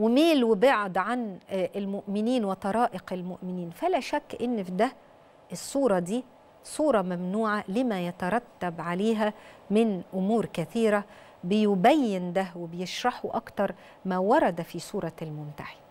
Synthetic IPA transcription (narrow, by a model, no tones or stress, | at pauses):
wɪmeːlwɪbeʕd̪ʕanʔɪlmʊʔmɪniːnwɪt̪ˤɑɾˤɑːʔɪqɪlmʊʔmɪniːnfælæʃækːʔɪnːfid̪æ | ʔesˤːuːɾˤɑd̪iː | sˤuːɾˤɑmæmnuːʕalɪmæjæt̪ɑɾˤɑt̪ːæbʕaleːɦæmɪnʔʊmuːɾkæθiːɾæ | bɪjʊbæjːɪnd̪æwebejeʃɾˤɑħuʔɑkt̪ɑɾˤ | mæːwɑɾˤɑd̪æfisˤuːɾˤɑlmʊnt̪a̰ʕi